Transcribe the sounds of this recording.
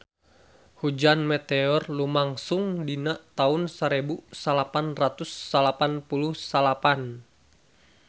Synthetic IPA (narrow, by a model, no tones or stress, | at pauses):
hud͡ʒanmɛt̪ɛɔrlumaŋsuŋdinaʔt̪aʊnsaɾɛbusalapanrat̪usːalapanpuluhsalapan